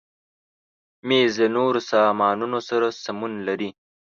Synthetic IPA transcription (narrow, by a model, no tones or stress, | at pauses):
meːzənoɾosɑːmɑːnunosaɾasamunlaɾi